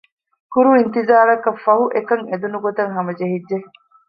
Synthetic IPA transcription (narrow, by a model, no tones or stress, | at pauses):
kuɾuint̪izaːɾɐkɐfɐɦuʔekɐŋed̪unuɡot̪ɐŋɦɐmɐd͡ʒeɦidːe